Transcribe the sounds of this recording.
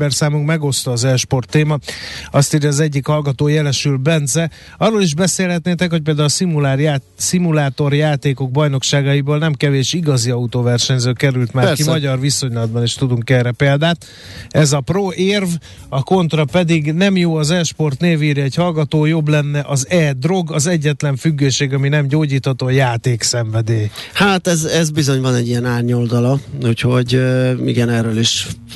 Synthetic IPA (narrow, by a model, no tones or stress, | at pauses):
bɛrsaːmuŋkmɛɡo̞st̪ɒːzɛlʃpo̞rt̪ːeːmɒɒst̪eːɾjːzɛɟːikhɒlɡɒt̪oːjɛlɛʃylbɛnd̪zɛ | ɒrːoːliʒbɛseːlɦɛt̪neːt̪ɛkhoc̚peːld̪aːulsimulaːr | simulaːt̪o̞rjaːt̪eːko̞ɡ̚bɒjno̞kʃaːɡɒjibolnɛmkɛveːʃiɡɒziɒut̪oːvɛrʃɛɲzøːkɛɾylt̪maːkimmɒɟɒrviso̞ɲlɒd̪̚bɒneʃt̪ud̪uŋkɛːrɾɛpeːld̪aːt̪ | ɛzɒproʔeːrv | ɒko̞nt̪rɒpɛd̪iɡnɛmjoːɒzɛʃpo̞rt̪neːviːɾiɛɟhɒlɡɒt̪oːjo̞blɛnːɛʔɒzɛd̪ro̞ɡɒzɛɟːɛt̪lɛɱfyɡːøːʃeːɡɒminɛmɟoːɟiːt̪hɒt̪oːjaːt̪eːksɛɱvɛd̪eːhaːt̪ɛzɛzbizo̞ɲvɒnɛɟijɛnaːrɲold̪ɒlɒucho̞ɟḭɡɛnɛrøːliʃ